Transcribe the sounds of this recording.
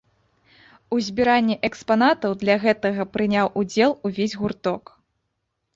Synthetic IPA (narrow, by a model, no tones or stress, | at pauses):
uzʲbʲiɾanʲːɛʔɛkspanat̪ɐwd̪lʲɐɣɛt̪ɐɣɐpɾɨnʲawʔud͡zʲɛlˠuvʲezʲɣurt̪ɔk